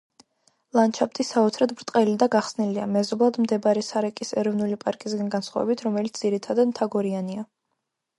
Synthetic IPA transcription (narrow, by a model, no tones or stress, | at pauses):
lˠant͡ʃʰap̚t̪ʼisaɔt̪sʰɾad̪bɾt̪ʼqʼɛlid̪aɡaχsnilia̰mɛzɔblˠad̪md̪ɛbɾɛsaɾɛkʼisɛɾɔvnulipʼaɾkʼisɡanɡansχwa̰vɛ̰bit̪ʰɾɔmɛlit̪sd̪z̥iɾit̪ʰad̪ad̪mt̪ʰaɡɔɾiania